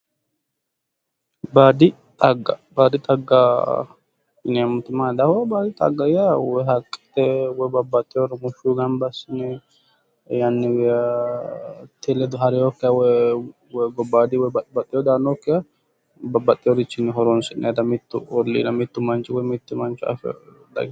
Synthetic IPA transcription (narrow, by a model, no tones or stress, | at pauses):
baːd̪ɪ | t̪ʼɐɡːɐbaːd̪ɪt̪ʼɐɡːa | ɪnɛmʊt̪ʊmaːd̪ɐhɔbaːd̪ɪt̪ʼɐ̰ɡːɐjawɔɦɐkʼːɛ̥t̪ːɛwɔbɐbːɐt̪ʼːɪjoɾɪmʊʃuɡɐmbɐsɪnɛ | jɐnːɪwɛa | t̪elɛd̪ʊɦɐɾɪjokːɛjawɛ | wɡɔbːaːd̪ɪwɛbɐbɐt̪ʼːɪjɔd̪aːnokːɛja | bɐbːɐt̪ʼːɪjɔɾɪt͡ʃːɪnɪɦɔɾɔnsɪnːɛd̪ɐmɪt̪ːʊɔlːḭːd̪ɐmɪt̪ːʊmɐnt͡ʃʊwɔmɪt̪ːʊmɐnt͡ʃʊɐ̰fɛ̰ | d̪ɐ̰ɡ